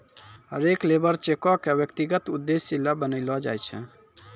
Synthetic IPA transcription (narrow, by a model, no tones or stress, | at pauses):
ɦə̰ɾeklebəɾt͡ʃekɔkebjəkt̪iɡət̪ud̪ːesːilːabənəɪlɔd͡ʒa̰jt͡ʃʰɛ̰